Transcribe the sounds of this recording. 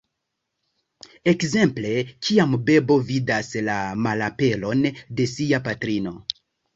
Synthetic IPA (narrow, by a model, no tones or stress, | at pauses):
e̞kze̞mple̞kʰiambe̞bo̞vidaslamalape̞lo̞nde̞siapatɾino̞